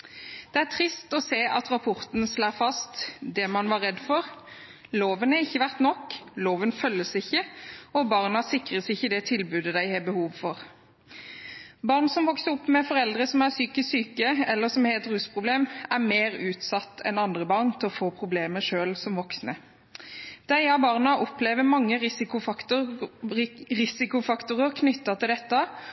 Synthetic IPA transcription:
d̪̥ɛæt̪ʰʁɪst̪ɔseːʔɑt̪ɾɑpʰɔʁt̪ənslɑːfɑst̪d̪ɛmɑnʋɑʁɛd̪fɔʁloːʋənæɪçːəʋæʁt̪nɔkːloːʋənfœlːəsɪçːəɔbɑʁnɑsɪkʁəsɪçːəd̪ɛt̪ʰɪlbʉːd̪əd̪æɪhɑbəhuːʋfɔʁ | bɑːʁnsɔmʋɔksəɾɔpːmɛfɔʁɛld̪ʁəsɔmæʁsyːkəssyːkəɛlːəsɔmheːt̪ʁʉːspʰʁʊbleːmæmeːʁʉːt̪sɑt̪ːʰɛ̰nɑnd̪ʁəbɑʁnt̪ʰɪlɔfoːpʰʁʊbleːməʂøːlsɔmʋɔksnə | d̪̥æɪɑbɑːʁnɑʔɔpleːʋəmɑŋːəʁɪsɪʊ | ʁɪsɪkʊfɑkt̪ʊʁəʁkʰnʏt̪ːɑt̪ɪld̪ɛt̪ːɑ

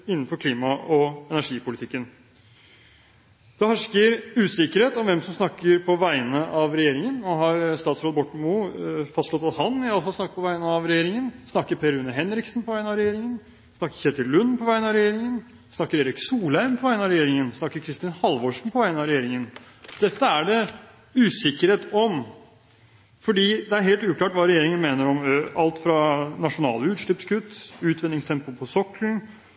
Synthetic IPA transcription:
ɪnːən̩fɔɾkʰliːmɑɔɛnæʂiːpʊlɪt̪ʰɪkːən | d̪̥ɛhɑʂkəɾʉːsɪkəɾheːt̪ɔmʋɛmsɔmsnɑkːəɾpʰɔʋæɪənəʔɑʋɾɛjeːɾɪŋənɔɦɑɾst̪ɑːt̪sɾoːd̪bɔʈːmʊfɑst̪ʂlɔt̪ɑshɑnɪɑləfɑlsnɑkət̪̚pʰɔʋæɪənəɑʋɾɛjeːɾɪŋənsnɑkːəɾpʰeːɾʉnːəɦɛnɾɪksn̩pʰɔʋæɪnɑʋɾɛjeːɾɪŋən | snɑkːəɾçɛt̪ːəlʉnːpʰɔʋæɪənəɑʋɾɛjeːɾɪŋən | snɑkːəɾeːɾɪksuːlæɪmpʰɔʋæɪənɑʋɾɛjeːɾɪŋənsnɑkːəɾkʰɾɪst̪ɪnhɑlʋoːʂɳ̩pʰɔʋæɪənɑʋɾɛjeːɾɪŋən | d̪̥ɛt̪ːəæɖɛ | ʉːsɪkːəɾheːt̪ɔm | fɔɖiːd̪ɛæɾɦeːlt̪ʉːklɑːʈʋɑːɾɛjeːɾɪŋənmeːnəɾɔmɑlt̪fɾɑnɑʂʊnɑ̰ːləʉːɾʂɭɪpskʰʉt̪ːʉːt̪ʰʋɛnɪŋst̪ʰɛmpʊpʰɔsɔkln̩

